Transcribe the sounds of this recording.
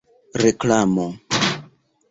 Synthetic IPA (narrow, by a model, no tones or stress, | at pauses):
ɾeklamo